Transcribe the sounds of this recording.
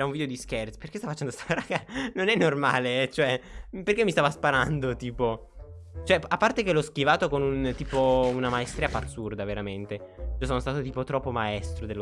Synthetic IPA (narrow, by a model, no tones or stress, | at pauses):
ɛɾauɱvid̪eod̪iskɛrt̪sperkest̪afat͡ʃɛnd̪ost̪aɾaɾaɡanonɛnːorma̰ːlet͡ʃoɛperkemːist̪avaspaɾand̪ot̪iːpo | t͡ʃoɛapːart̪ekelɔsk̟ivaːt̪okonunt̪iːpounamaest̪ɾiaparsurd̪aveɾament̪eiosonost̪aːt̪ot̪iːpot̪ɾɔpːomaɛst̪ɾod̪el